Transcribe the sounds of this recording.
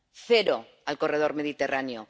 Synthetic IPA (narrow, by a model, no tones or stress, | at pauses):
θeɾo | alko̞reð̞oɾme̞ð̞it̪e̞ranjo